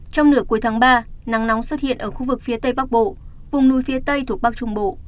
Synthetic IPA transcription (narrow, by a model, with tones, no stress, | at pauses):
t͡ɕɔ˧wŋ͡mlɨ˨˩əkːu˨˦jt̪ʰaː˨˦ŋɓaː˧na˨˦ŋna˨˦wŋ͡mswə˦˥t̚hḭ˧˨ənʔəː˧˩xu˧vɨ˨˩k̚fi˨˦ət̪ə˧jɓaː˦˥k̚ɓo̰˧˨ | vʊ˨˩ŋ͡mnu˨˦jfi˨˦ət̪ə˧jt̪ʰu˨˩k̚ɓa˦˥k̚t͡ɕʊ˧ŋ͡mɓo̰˧˨